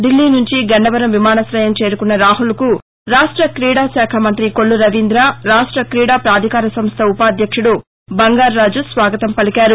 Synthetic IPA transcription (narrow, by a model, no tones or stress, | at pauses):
ɖilːiːnuɲt͡ʃiɡɐɳɖɐʋɐɾɐmʋimaːnɐsɾɐjɐmt͡ʃe̞ːɾukunːɐɾaːɦulku | ɾaːʂʈɾɐkɾiːɽaːsɛːkʰɐmɐnt̪ɾikoɭːuɾɐʋind̪ɾaːɾaːʂʈɾɐkɾiːɽaːpɾaːd̪ʱikaːɾɐsɐmst̪ʰɐupaːd̪jɐkʂuɽu | bɐŋɡaːɾːaːd͡ʒusʋaːɡɐt̪ɐmpɐlikaːɾu